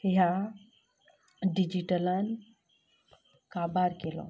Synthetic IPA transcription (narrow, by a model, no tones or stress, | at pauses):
hiɦa | ɖid͡ʒiʈəlan | kabaɾkelo̰